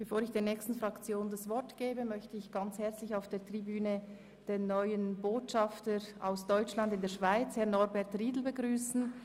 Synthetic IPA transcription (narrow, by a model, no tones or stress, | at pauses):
b̥efoːɾɪçd̥eːɐnɛːkstn̩fʁakt͡sjoːndasvɔɐtɡ̥eːbəmœçtəɪçɡ̥ɑnt͡shɛɐt͡slɪçaʊfd̥eːɐtʁ̥ibyːnə | d̥eːnɔʏənboːtʃɑftəɾa̰ʊsd̥ɔʏt͡ʃlandɪndeːɐʃv̥aɪt͡shɛɐnɔɾbɛɐtʁiːdl̩bəɡʁyːsn̩